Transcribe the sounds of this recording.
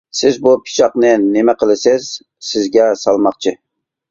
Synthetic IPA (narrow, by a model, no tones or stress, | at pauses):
sɪzbupʰi̥t͡ʃʰɑqnɨnɪmɛqəlˠɨsɪz̥ | sɪzɡʲɛsɑlˠmɑχt͡ʃʰɪ